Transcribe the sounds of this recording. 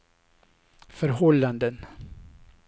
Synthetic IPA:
fœɾɦɔlːand̪ən

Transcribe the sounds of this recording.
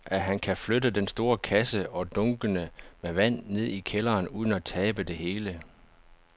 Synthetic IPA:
ʔæɦænkʰæflødəd̥ensd̥o̝ːɐkʰæsəʔɒ̽d̥ɔ̽ŋɡ̥ənəmeʋæn̰ːe̝ð̞̰ˠikʰelɐːnuːð̞ˠən̩æt͡sʰɛːb̥əd̥e̝ɦe̝ːlə

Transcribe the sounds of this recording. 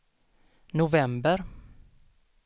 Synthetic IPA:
nʊvɛmbəɾ

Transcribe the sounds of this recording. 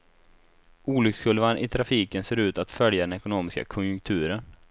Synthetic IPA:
uːlʏkskʰɵlvanʔɪt̪ʰɾafiːkənseːɾʉ̟ːt̪at̪fœljad̪ɛnɛkʊnoːmɪska̰kʰɔnjɵŋk̚t̪ʰʉ̟ːɾən

